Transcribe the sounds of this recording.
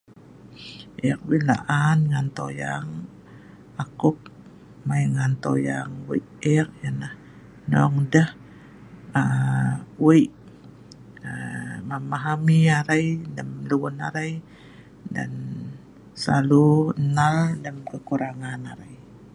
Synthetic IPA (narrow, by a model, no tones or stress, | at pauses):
ʔɛkwila̰ʔanŋant̪ojaŋ | akʊk̚ | majŋant̪ojaŋwa̰jʔɛkjanah | nɔŋdəh | ə | wajʔ | əmamaɦamiaɾajdəmluwuna̰ɾaj | da̰n | salunaldəmkəkuɾaŋanaɾa̰j